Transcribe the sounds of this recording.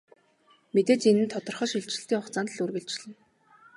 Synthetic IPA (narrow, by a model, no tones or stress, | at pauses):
met̪eːt͡sinɘ̆nt̪ʰɔt̪ɞ̆rχœ̆ːʃiɮt͡ɕɪ̆ɬt̪iːŋχɔχt͡saːnt̪ɮurɣɘ̆ɬt͡ɕɪɮɘ̆n